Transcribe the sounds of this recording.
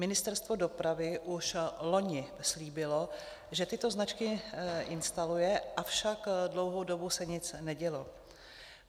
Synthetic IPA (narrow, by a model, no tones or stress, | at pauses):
mɪnɪst̪ɛɾst̪vo̞do̞pɾavɪʔuʃlo̞ɲɪ | sliːbɪlo̞ | ʒɛt̪ɪt̪o̞znat͡ʃkɪʔɪnst̪alujɛʔafʃakdlo̞wɦowdo̞busɛɲɪt͡snɛɟɛlo̞